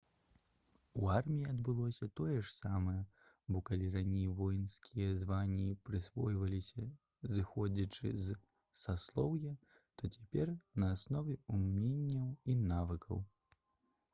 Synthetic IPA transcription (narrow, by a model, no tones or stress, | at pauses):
uarmʲijiad̪bɨlˠɔsʲɐt̪ɔjɛʂsamɐjɐ | bɔkalʲiranʲejvɔjnskʲʰijɐzvanʲːipɾɨsvɔjvɐlʲisʲɐ | zɨxɔd͡zʲɐt͡ʂɨ̰z | saslˠɔwjɛ | t̪ɔt͡sʲḁpʲɛrnɐːsnɔvʲɛumʲenʲːɐwinavɨkɐ̰w